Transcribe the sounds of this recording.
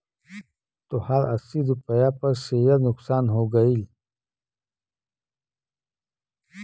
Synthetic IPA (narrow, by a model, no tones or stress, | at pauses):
t̪ohaɾɐsiɾupəjapɐɾʃejɐɾnʊqsaːnɦoɡɐil